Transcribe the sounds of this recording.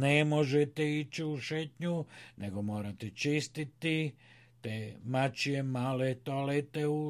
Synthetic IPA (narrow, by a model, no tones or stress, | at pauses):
nemoʒet̪eit͡ʃiuʃet̪ɲunʔeɡo̞mo̞ːɾat̪et͡ʃist̪it̪i | t̪eːmat͡ʃijemaːlet̪oalet̪eu